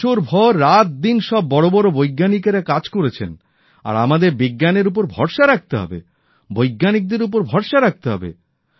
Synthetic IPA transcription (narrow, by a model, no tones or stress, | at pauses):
oɾbʱɔɾːat̪̚d̪inʃɔbːɔɽobɔɾobojɡːanikeɾakad͡ʑkoɾet͡ɕʰen | a̰ɾamad̪eɾbiɡːaneɾup̬oɾbʱɔ̰ɾʃaɾak̚t̪eɦɔ̰bḛ | bojɡːanik̚d̪eɾup̬oɾbʱɔɾʃaɾak̚t̪eɦɔ̰bḛ